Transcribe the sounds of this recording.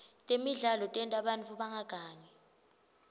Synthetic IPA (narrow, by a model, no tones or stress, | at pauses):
tʼemiɮalɔtʼɛntʼaɓanfuɓaŋʱaɡ̥ʱaːɲɛ